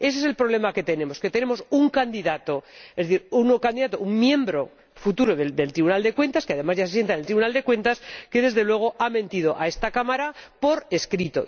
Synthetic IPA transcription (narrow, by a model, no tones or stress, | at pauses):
e̞s̬es̬e̞lpɾoβle̞make̞t̪e̞ne̞mo̞ske̞t̪e̞ne̞mo̞suŋkand̪iðat̪o̞e̞zðeθiɾunokand̪iðat̪ouŋmjẽ̞mbɾo̞ | fut̪uɾoðed̪e̞lt̪ɾiβunald̪e̞kwe̞nt̪askeaðe̞mazʝases̬je̞nt̪anelt̪ɾiβunald̪e̞kwe̞nt̪aske̞ðe̞zðe̞lwe̞ɣ̞o̞ʔamẽ̞nt̪ið̞o̞ʔae̞st̪akamaɾapo̞ɾe̞skɾit̪o̞̰